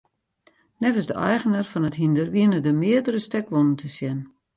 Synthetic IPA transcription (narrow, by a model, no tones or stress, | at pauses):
nɛvəsdəʔɛjɣənarfɔnəthindərʋiənədəmɪədəɾəstɛkʋonəntʰəsjɛn